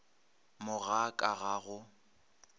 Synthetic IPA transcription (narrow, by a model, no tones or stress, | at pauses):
mʊɣakʼaɣaɣʊ